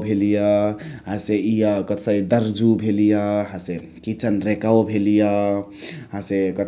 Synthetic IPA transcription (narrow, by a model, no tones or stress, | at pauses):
bʱelijɔɦãseijakət̪səid̪əɾd͡ʒubʱelijaɦãse | kit͡ʃənɾekawbʱelija | ɦãsekət̪